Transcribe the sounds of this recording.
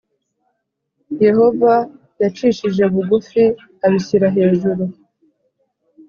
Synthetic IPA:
je̞ho̞va | jat͡ʃiːʃiʒe̞βuɡufi | aβiçiɾaɦe̞ːʒuɾu

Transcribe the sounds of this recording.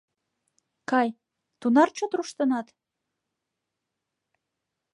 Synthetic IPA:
kɑj | t̪unɑrt͡ɕot̪ɾuʃt̪ɤ̆nɑt̪

